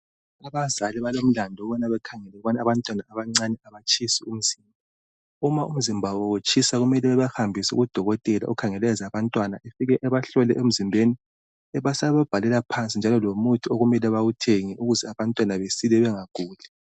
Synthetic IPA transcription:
aβazaliβalom̩landʱɔɔβɔnaβɛkʰaŋɛlɛɣuβanaβantʼwanaaβaŋ͡ǀanɛaβat͡ʃʰʼisium̩z̥iːmbʱa | umaum̩zimbʱawowut͡ʃʼʰisaɣumɛlɛɛβahambʱisṵɣud̥ʱɔɣɔtʼɛla̰ʔṵkʰaŋɛlɛzaβantʼwanaʔefiɣɛʔɛβaɬɔlɛʔem̩zimbʱeni | ɛβasaβab̥ʱalɛlapʰant͡sʼind͡ʒʱalɔlomutʰioɣumɛlaβawutʰeŋiʔuɣuzɛaβantʼwanaβesilɛβɛŋaɡ̥ʱuːlɛ

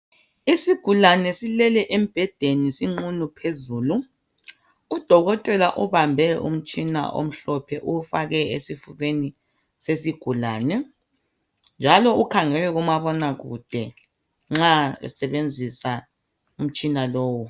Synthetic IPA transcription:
isiɡ̥ʱulanɛsilɛlɛʔem̩b̥ʱɛd̥ʱenisiŋ͡ǀunupʰezuːlu | d̥ʱɔɣɔtʼɛlaʔuβambʱɛṵm̩t͡ʃʼina̰ʔo̰m̩ɬɔpʰɛʔufaɣɛesifuɣeni | sesiɡ̥ʱulaːnɛ | nd͡ʒʱalɔukʰaŋɛlɛɣumaβɔnaɣṵd̥ʱɛ | ŋ͡ǁaɛ̰sɛβend͡zʱisa | um̩t͡ʃʼinaloːwu

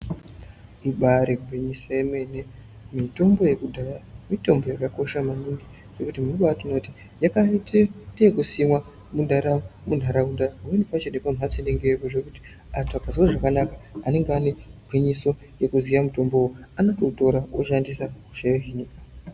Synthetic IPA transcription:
iɓaɾeɡʱweɲisojeme̞ne̞ | mito̞mbo̞je̞kudʱajamito̞mbo̞jakako̞ʃamaniŋɡi | ʐ̥e̞kutimunoɓatino̞ti̥ | jakaitedekusimwa | mundaɾamun̤ʱaɾaundapamwenipat͡ʃenepam̤at͡seneŋɡekoʐekuti̥ | atakaziwaʐakanakḁane̞ŋɡeaneɡʱweɲiso̞ | je̞kuzijamuto̞mbowoanototo̞ɾaoʃandisaku̥ʃajoɦinika

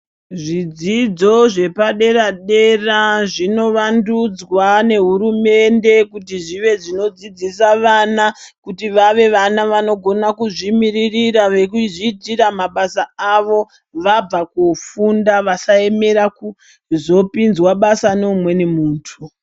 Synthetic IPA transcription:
ʐid͡zid͡zo̞ʐe̞paɗe̞ɾaɗe̞raʐino̞ʋandud͡zwane̞ɦuɾume̞nde̞kutiʐiʋe̞ʐino̞d͡zid͡zisaʋanakutiʋaʋe̞ʋanaʋano̞ɡʱo̞nakuʐimiririraʋe̞kuʐitiɾamaɓasaaʋo̞ | ʋab͡vakufundaʋasae̞me̞ɾaku | zo̞pinzwaɓasanoumwe̞ne̞muːntʰu

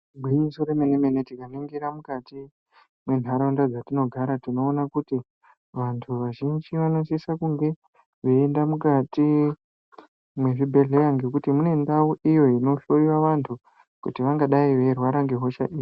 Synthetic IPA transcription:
bʱiisoɾemenemenetikaneŋɡiɾamukati | mwe̞n̤aɾandad͡zatino̞ɡʱaɾatino̞ːnakuti | ʋantʰuʋaʒind͡ʒiʋanosisakuŋɡe̞ | ʋeːndamukati | mwe̞ʐibʱe̞ɮe̞jaŋɡe̞kutimune̞ndauʔijo̞ino̞ɬo̞jiwaʋantʰu | kutiʋaŋɡaɗaiʋe̞rwaɾaŋɡeɦo̞ʃa̰ʔiːi

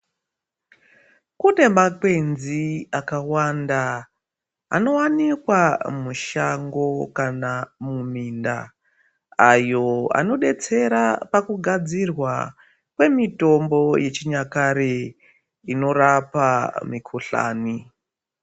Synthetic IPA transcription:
kune̞makwe̞nziakawanda̰ː | no̞wanikwamuʃaŋɡo̞kanamuminda̰ | ajo̞a̰no̞ɗe̞t͡se̞ɾapakuɡʱad͡zirwa̰ | kwe̞mito̞mbo̞je̞t͡ʃiɲakaɾe | ino̞rapamikʰuɬa̰ːni

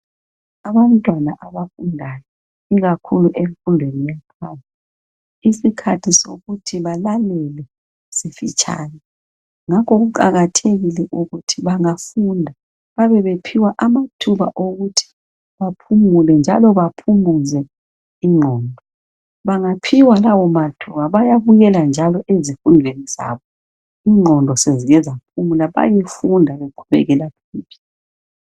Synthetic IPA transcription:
aβam̩tʼwanaʔaβafundʱajɔ | iɣakʰuluʔemifundʱenijapʰana | isikʰatʰiso̰ɣutʰiβalalɛlɛ | sifit͡ʃʼʰa̰ːjɔ | ŋakʰɔɣuǃaɣatʰeɣilɛʔuɣutʰiβaŋafundʱa | βaβɛβepʰiwaʔamatʰuβaʔoɣutʰi̥ | βapʰumulɛnd͡ʒʱalɔβapʰumuzɛ | iŋ͡ǃʱɔːndʱɔ | βaŋapʰiwalawɔmatʰuβaβajaβuɣɛland͡ʒʱalɔʔezifunʱweniz̥a̰βɔ | iːŋ͡ǃʱɔndʱɔseziɣɛzapʰumulaβa̰jefundʱaβekʰuβɛ̰ɣɛlapʰiːpʰi̥

